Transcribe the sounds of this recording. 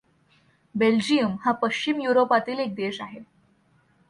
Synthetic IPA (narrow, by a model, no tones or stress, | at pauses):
beld͡ʑijəmhapəɕt͡ɕimjuɾopat̪iːlek̚d̪eɕaɦe